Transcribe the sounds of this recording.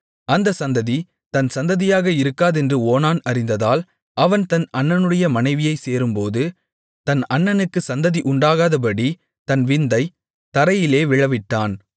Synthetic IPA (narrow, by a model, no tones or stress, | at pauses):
ɐnd̪ɐsɐnd̪ɐði | t̪ɐnsɐnd̪ɐðɪjaːɣɐɪɾɯkːaːðɛndrɯoːnaːnɐɾɪnd̪ɐðaːl | ʔɐʋɐnt̪ɐnɐnːɐnɯɽɐjɐmɐnɐɪʋɪjɐɪseːɾɯmpoːðɯ | t̪ɐnɐnːɐnɯkːɯsɐnd̪ɐðiʔʊɳɖaːɣaːðɐp̬ɐɽi | t̪ɐnʋɪnd̪ɐɪ | t̪ɐɾɐjɪleːʋɪɻɐʋɪʈːaːn